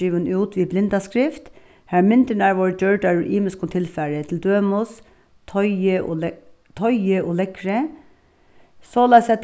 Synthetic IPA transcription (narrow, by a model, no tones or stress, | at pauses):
iːʋənʉːt̪ʰʋiːblɪnd̪ɑskɾɪft̪ | hæɹmɪnd̪əɳæɹʋoːɹd͡ʒœɹɖɑɹʔiːməskʊnt̪ʰɪlfæɹət̪ʰɪl̩d̪øːmʊs | t̪ʰɔʏəʔo̰ | t̪ʰɔʏəʔoːlɛkɾə | sɔːlæsɛt̪